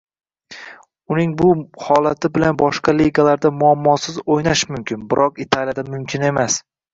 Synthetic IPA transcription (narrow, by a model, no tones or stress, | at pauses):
ʊnɪŋbʊhɒlat̪ʰɪbɪlanbɒʃqɑliɡalaɾd̪amʊamːɒsɪzojnaʃmʊmkʲʰɪnbɪɾʔɒqɪt̪ʰalijad̪amʊmkʲʰɪne̞mas